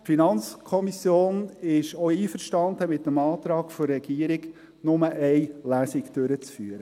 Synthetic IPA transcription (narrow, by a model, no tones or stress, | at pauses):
finɑnt͡skʰɔmisjoːnɪʃɔiːfəɾʃtɑnd̪əmɪt̪ːəmɑːt̪ɾɑːɡfɔɾːɛɡ̥iːəɾɪɡ | nʊməʔɛɪlæːsɪɡd̥øɾət͡sfyːɾə